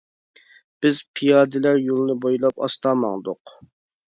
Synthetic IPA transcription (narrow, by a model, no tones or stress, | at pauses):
b̥ɪz̥pʰijɑːd̪ɪlæɾjolˠnɨbojlˠɑpɑ̰st̪ɑːmɑ̰ŋd̪ʊq